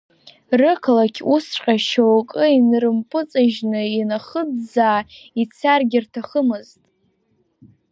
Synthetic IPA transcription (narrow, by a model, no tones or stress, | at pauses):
rɨkʰalakʲʰusʈ͡ʂqʲʼaʃowkʼɨinrɨmpʼɨt͡sʼɨʒnɨinaχəd͡zd͡zaːit͡sʰarɡʲɪrtʰaχəmɨztʼ